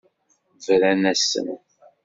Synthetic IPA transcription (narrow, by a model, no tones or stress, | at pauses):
vɾænæsːə̰n